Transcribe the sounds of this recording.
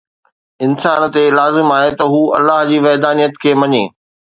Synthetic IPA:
ɪnsaːnt̪elaːzɪmaːɦet̪ɐɦuːɐ̰lːaːɦd͡ʑiːʋɛːd̪aːnijət̪kʰeːmɐɲeː

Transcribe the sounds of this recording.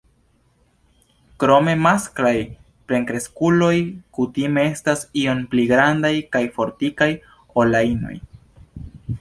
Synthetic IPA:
kɾo̞me̞masklaj | pɾe̞ŋkɾe̞skulo̞jkutime̞e̞stasio̞npliɡɾandajkajfo̞ɾtikaj | olaino̞̰j

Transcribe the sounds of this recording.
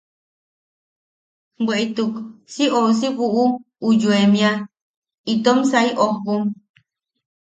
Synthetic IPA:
bweʔit̪uksiʔous̬iβuʔu | ujuemĩa | it̪omsaiʔokum

